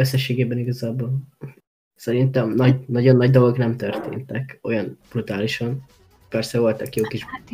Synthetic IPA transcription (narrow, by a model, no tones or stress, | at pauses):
øsːɛʃeːɡeːbɛniɡɒzaːboːl | sɛɾint̪ɛmnɒɟnɒɟo̞nːɒɟd̪o̞lo̞ɡnɛmt̪ørt̪ḛːnt̪ɛko̞jɒnb̥rut̪aːliʃɒn | pɛrsɛvo̞lt̪ɒkjoːkiʒ